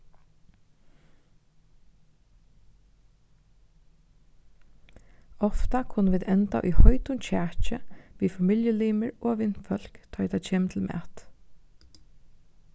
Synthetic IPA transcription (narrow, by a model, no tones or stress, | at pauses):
ɔft̪akʰʊnːəʋiːd̪ɛnt̪a̰ʔʊ̰jhɔʏt̪ʊnt͡ʃʰæːt͡ʃəʋiːfamiljəliːməɹoːʋɪnfœl̥kt̪ʰɑːt̪ʰɛt͡ʃʰeːmt̪ʰɪlmʔɛ̰ːt̪